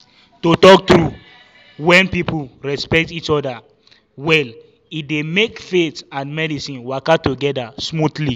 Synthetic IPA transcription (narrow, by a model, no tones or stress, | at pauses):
totɔk̚tɹu | wɛ̃npipul̩ɹɛspɛk̚tit͡ʃɔda | wɛl | it̚demekfetãnmɛdisĩnwakatuɡɛdasmutli